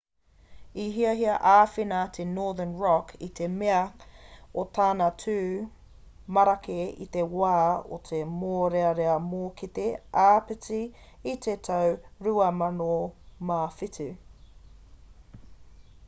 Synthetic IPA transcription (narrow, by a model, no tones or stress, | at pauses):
iɦiɐɦiɐʔaːfinɐt̪ʰenoːðənɹɔkʰit̪ʰemeɐ | ot̪ʰaːnɐtʰʉː | mɐɾɐkʰeḭt̪e̞waːo̰t̪ʰemoːɾeɐɾeɐmoːkʰit̪eaːpit͡siː | t̪ʰet̪ʰɐwɾuɐmɐnomafitʉ